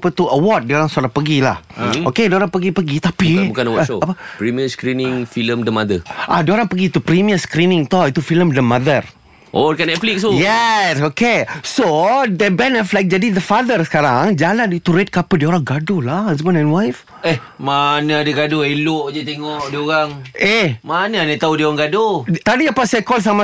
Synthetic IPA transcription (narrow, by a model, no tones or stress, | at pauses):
pət̪uʔəwɔt̚dioɾaŋsoɾaŋpəɡilahokedioɾaŋpəɡipəɡit̪apibukanəwɔoapəpɾimiəskɾinĩŋfiləmdəmad̪əʔadioɾaŋpəɡit̪upɾimiəskɾinĩŋt̪ɔit̪ufiləmdəmad̪ər | ʔodkanɛt̪̚flik̚sujɛsokesodəbɛ̃nɛflajk̚d͡ʒadid̪əfad̪ərsəkaɾaŋd͡ʒalanit̪uɾɛt̚kapədioɾaŋɡadolahhasbə̃nɛ̃nwajf | eh | manəadəɡadoeloʔd͡ʒət̪eŋɔʔdioɾaŋehmanəanat̪audioɾaŋɡadot̪adiapasajkɔls̬ama